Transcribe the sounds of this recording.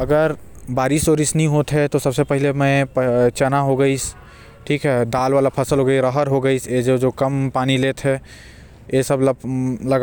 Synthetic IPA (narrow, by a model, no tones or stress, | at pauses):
ɐɡəɾbaːɾisoːɾɪsnəĩɦot̪ɦɛt̪osɐbsepəɦilemɛ̃pət͡ʃɛnaɦoɡəis | ʈʰiːkɦɛɖaːlʋaːlapʰɐsəlɦoɡəiɾəɦəɾɦoɡəised͡ʒod͡ʒokɐmpaːnilet̪ʰɦɛ | esəblɐɡ